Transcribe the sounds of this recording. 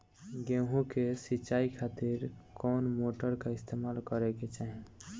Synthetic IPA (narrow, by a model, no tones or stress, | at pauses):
ɡẽɦũkesit͡ʃːaikʰat̪iɾkɔnmoʈəɾkaist̪ʰemalkəɾɛket͡ʃaɦẽ